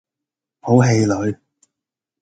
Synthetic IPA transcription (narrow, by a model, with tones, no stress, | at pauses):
ho˨˥wɦe˧jlɵ˨˧ɥ